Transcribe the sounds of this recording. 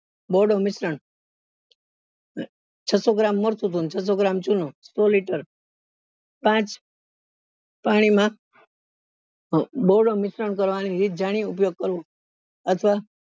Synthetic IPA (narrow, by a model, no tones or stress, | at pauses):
boɖomɪsɾəɳ | t͡ʃʰəsoɡɾamːəɾt̪ʰut̪ʰunt͡ʃʰəs̬oɡɾamt͡ʃunõsoliʈəɾ | pãt͡ʃ | paɽ̃imã | boɾɖomɪsɾəɳkəɾʋaniɾit̪̚ʰd͡ʒaɽ̃iupjoɡ̚kəɾʋõ | ət̪ʰəʋa